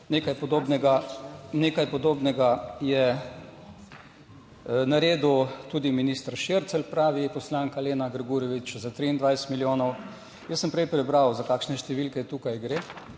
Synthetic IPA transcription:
neːkajpɔd̪oːbnɛɡaneːkajpɔd̪oːbnɛɡajɛ | naɾeːd̪ut̪ud̪iminist̪ɾʃeɾt̪sɛlpɾaːʋipɔslaːŋkaleːnaɡɾɡuɾjɔʋit͡ʃzat̪ɾiind̪ʋajst̪miljoːnɔw | jəsːəmpɾɛjpɾɛbɾawzakaːkʃnɛʃt̪ɛʋilkɛt̪ukajɡɾe

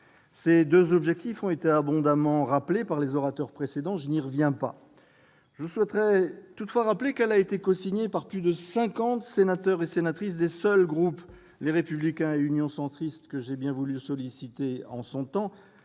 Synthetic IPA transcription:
sed̪øzɔbʒɛk̚t̪ifɔ̃et̪eabɔ̃d̪amɑ̃ʁaplepaʁlezɔʁat̪œʁpχesed̪ɑ̃ʒəniʁəvjɛ̃pa̰ | ʒəswɛt̪ʁɛt̪ut̪fwaʁaplekɛlaet̪ekɔsiɲepaʁplyd̪əsɛ̃kɑ̃t̪senat̪œʁesenat̪χisd̪esœlɡʁup | leʁepyblikʲɛ̃eynjɔ̃sɑ̃t̪χist̪kəʒebjɛ̃vulysɔlisit̪eɑ̰̃sɔ̃t̪ɑ̃

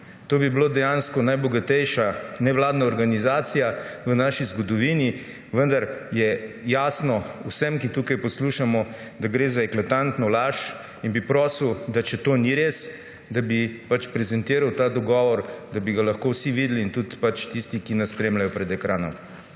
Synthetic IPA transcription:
t̪oːbibloːd̪ɛjanskɔnajbɔɡat̪ɛjʃanɛʋlaːd̪naɔɾɡanizaːt̪sijaʋənaːʃizɡɔd̪ɔʋiːni | ʋənd̪aɾjɛjaːsnɔuwsəmkit̪uːkajpɔsluːʃamɔ | d̪aɡɾeːzaɛklat̪ant̪nɔlaːʃ | inbipɾɔːsiwd̪at͡ʃɛt̪oːniɾeːs | d̪abipat͡ʃpɾɛzɛnt̪iːɾawt̪aːd̪ɔɡɔːʋɔɾd̪abiɡalɐxkowsiʋiːd̪liːnt̪ut̪pat͡ʃt̪ist̪ikinɛspɾeːmlajɔpɾɛd̪ɛkɾaːnɔ̰m

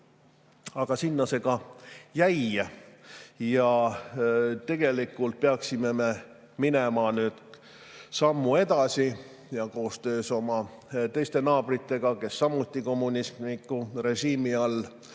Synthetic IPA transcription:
ɑɡ̥ɑsinːɑse̞ɡ̥ɑjæj | jɑ | t̪e̞ɡ̥e̞likːˑult̪̚peɑksime̞me̞ | mine̞mɑnyːd̪̥ | sɑmːue̞d̪̥ɑsi | jɑko̞ːst̪ø̞ːso̞mɑ | t̪e̞jst̪e̞nɑːbrit̪ːˑe̞ɡ̥ɑke̞sːɑmːut̪ˑːiko̞mːunʲismikːˑure̞ʒiːmiɑlː

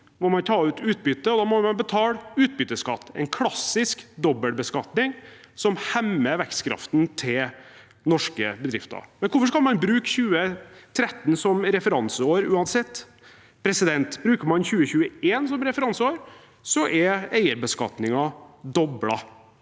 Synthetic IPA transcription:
mɔmɑnt̪ʰɑːʉːt̪ʉːt̪̚bʏt̪ːəɔd̪ɑːmɔmɑnbət̪ʰɑːlʉːt̪̚bʏt̪ːəskɑt̪ːɛ̰ɪnkʰlɑsːɪskd̪ɔbəlbəskɑt̪nɪŋ | sɔmhɛmːəʋɛkskʰɾɑ̰ft̪nt̪ʰɪl | nɔʂkə̰bəd̪ɾɪft̪ɑ̰ɾmɛnkʰʊɾfɔʂkɑlmɑnbɾʉːkçʉːət̪ʰɾɛt̪ːnsɔmɾɛfəɾɑnsəoːɾʉːɑnsɛt̪ː | pʰɾɛsɪd̪ɛnt̪bɾʉːkəɾmɑnçʉːəçʉːəeːnsɔmɾɛfəɾɑnsəoːɾ | sɔʔɛæɪəɾbəskɑ̰t̪nɪŋɑd̪ɔblɑ̰

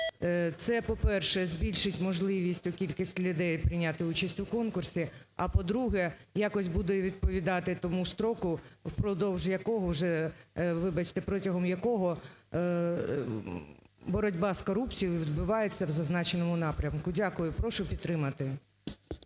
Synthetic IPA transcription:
t̪sɛpɔpɛrʃɛzʲbʲilʲʃɪtʲmɔʒlˠɪʋʲisʲtʲʊkʲilʲkisʲtʲlʲʊd̪ɛjpɾɪjnʲat̪ɪut͡ʃɐsʲtʲʊkɔnkʊrsʲi | ɐpɔd̪ɾuɦɛjɑkɔsʲtʲbud̪ɛʋʲid̪̚pɔʋʲid̪ɑt̪ɪt̪ɔmust̪ɾɔkʊwpɾɔd̪ɔwʒjɐkɔɦɔwʒɛʋɪbɐt͡ʃt̪ɛpɾɔtʲɐɦɔmjɐkɔɦɔ | bɔɾɔdʲbɑskɔɾupt͡sʲijʊʋʲid̪̚bʊʋɑjet͡sʲːɐwzɐznɑt͡ʃenɔmʊnɑpɾʲɐmkʊdʲakʊjʊpɾɔʃʊpʲit̪t̪ːɾɪmɐt̪ɪ

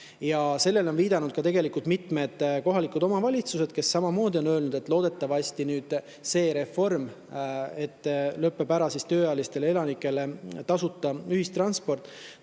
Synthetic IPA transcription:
jɑse̞lːe̞lo̞nviːd̪̥ɑnud̪̥̚kɑt̪e̞ɡe̞likult̪mit̪me̞d̪̥ko̞ɦɑlikud̪̥o̞mɑvɑlʲit̪suse̞d̪̥ke̞sːɑmɑmo̞ːd̪io̞nø̞ːlnud̪et̪ˑlo̞ːd̪̥e̞t̪ːˑɑvɑsʲt̪inyːd̪̥ | se̞ːɾe̞fo̞rm | e̞t̪ːˑløpːˑe̞bæɾɑsist̪øːɑjlist̪e̞lee̞lɑnikːˑe̞le̞t̪ɑsut̪ˑːɑyhist̪rɑnspo̞rt̪ːˑ

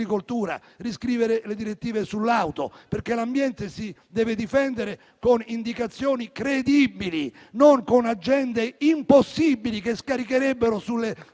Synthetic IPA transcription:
ikolt̪uːɾa̰ | riskɾiːveɾeled̪iɾet̪ːiːvesulːawt̪o̰perkelambjɛnt̪esid̪ɛːvɪd̪ifɛnd̪eɾe | konind̪ikat̪sːjoːnikɾed̪ibili | noŋkonad͡ʒːɛnd̪eimposːibilikeskaɾikeɾɛbːeɾʊsulːe

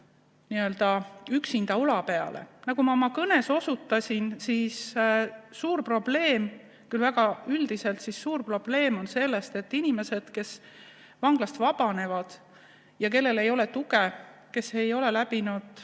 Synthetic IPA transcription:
niø̞ld̪̥ɑyksind̪̥ɑulɑpe̞ɑ̰lʔḛnɑɡumɑomɑkɤne̞so̞sut̪ːˑɑsʲinsis | suːrpro̞b̥le̞ːm | kylvæɡ̥ɑyld̪̥ise̞lt̪sissuːrpro̞b̥le̞ːmo̞nse̞lːe̞st̪e̞t̪ːinime̞se̞d̪̥ke̞s | vɑŋɡ̥lɑst̪vɑb̥ɑne̞vɑd̪̥ | jɑk̬e̞lːe̞le̞jo̞le̞t̪uɡe̞ke̞se̞jo̞le̞læb̥inud̪̥

